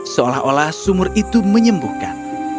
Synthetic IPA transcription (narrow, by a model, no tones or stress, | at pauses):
səolahʔolahsumʊrit̪uməɲəmbuhkan